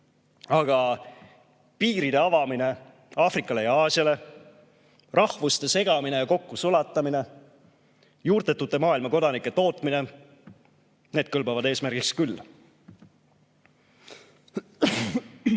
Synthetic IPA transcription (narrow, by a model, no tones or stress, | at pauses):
ɑɡ̥ɑ | piːɾid̪e̞ɑvɑmine̞ | ɑːfrikːˑɑle̞jɑɑːsiɑle̞ | rɑhvust̪e̞se̞ɡ̥ɑmine̞jɑko̞kːusulɑt̪ːˑɑmine̞ | juːrd̪̥et̪ːˑut̪ːˑe̞mɑːilmɑko̞d̪ɑnikːˑe̞t̪o̞ːt̪ːˑmine̞ | ne̞ːd̪̥̚kɤlbɑvɑd̪̥e̞ːsmæɾɡ̥ikskylː